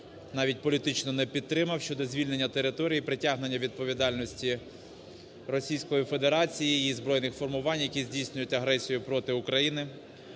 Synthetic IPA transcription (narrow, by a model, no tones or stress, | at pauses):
nɑʋʲit̚ʲpɔlʲit̪ɪt͡ʃnɔnɛpʲid̪̚t̪ːɾɪmɐwʃt͡ʃɔd̪ɔzʲʋʲilʲne̞nʲːɐt̪eɾɪt̪ɔɾʲijipɾɪtʲaɦne̞nʲːɐʋʲid̪̚pɔʋʲid̪ɑlʲnɔsʲtʲi | ɾɔsʲijsʲkɔjife̞d̪eɾɑt͡sʲijiizbɾɔjnɪxfɔrmʊʋɑnʲjɐkʲizʲdʲijsʲnʲʊjʊtʲɐɦɾɛsʲijʊpɾɔt̪ɪʊkɾɐjinɪ